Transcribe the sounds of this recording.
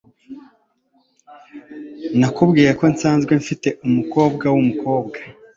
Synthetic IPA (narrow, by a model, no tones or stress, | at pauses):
nakubɡiːɾako̞nsaːnzɡwe̞ɱfite̞ʔumuko̞ːbɡawumuko̞ːb̚ɡḁ